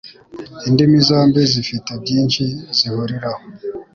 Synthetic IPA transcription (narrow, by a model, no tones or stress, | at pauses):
indimizaːmbizifitebɟiːnʃizihuɾiɾaho